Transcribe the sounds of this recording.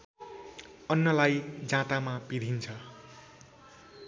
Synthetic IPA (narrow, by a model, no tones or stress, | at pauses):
ʌnːʌlajd͡zãt̪amapid̪ʱint͡sʰʌ